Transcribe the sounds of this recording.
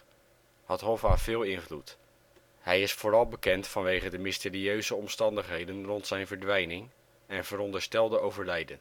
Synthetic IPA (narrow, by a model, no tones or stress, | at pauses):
hɑtɦɔfaːv̥ɪːlˠɪnvlut | hɛjɪsfoːɾɑlˠbəkɛntfɑnʋejχədəmɪstɪːɾiøɥzəɔmstɑndəχɦejdənrɔntsɛjnvəɹdʋɛjnɪŋ | ɛnv̥əɾɔndəɹstɛlˠdəowvəɹlɛjdən